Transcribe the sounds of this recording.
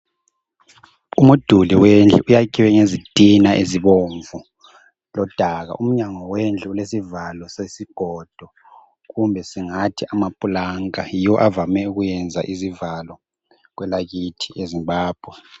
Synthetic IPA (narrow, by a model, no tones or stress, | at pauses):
umud̥ʱuliwend͡ɮʱɛʔujakʼiwɛŋezitʼinaʔeziβoɱvu | lɔd̥ʱaɣa̰ʔum̩ɲaŋɔwend͡ɮʱɛulesivalɔsesiɡ̥ʱɔd̥ʱɔ | ɣumbʱɛsiŋatʰiʔamapʼulaŋajiwɔʔavamɛuɣujɛnd͡zʱa̰ʔizivalɔ | ɣwɛlaɣitʰiezimbaːb̥ʱwɛ